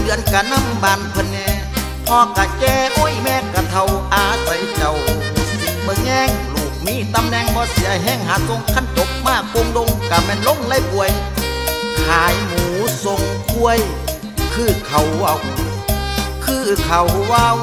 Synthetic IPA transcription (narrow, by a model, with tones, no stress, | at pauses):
dɯ˧˨ənkaː˧na˧˥˨mbaː˨npʰɤ˧nːɛː˧ | hɔː˧˥ka˨˧˩kɛː˧ʔo˧˥˨jmɛː˧˥˨ka˨˧˩t̪ʰa˧wʔaː˧˩sa˨˧jt͡ɕa˨wmuː˨˧˦si˨˦t̪̚mɯ˧ŋɛː˧˨ŋluː˨˦k̚miː˧˥˨t̪a˧˨mnɛː˧˨ŋbɔː˧˨si˨˧˦ʔa˧˩jɦɛː˧˥˨ŋɦaː˨˦so˧˨ŋkʰa˧˥˨nt̪o˧˦p̚maː˧˥˩ko˧˨mlo˧˨ŋka˨˧mɛː˧˨nlo˧˨ŋla˧˨jpu˧˨ə˨j | haː˨˦jmuː˨˦so˧˦ŋkʰu˧ə˨j | kʰɯː˧˩kʰa˨wwaː˧˨w | kʰɯː˧˩˧kʰa˨wwaː˧˨w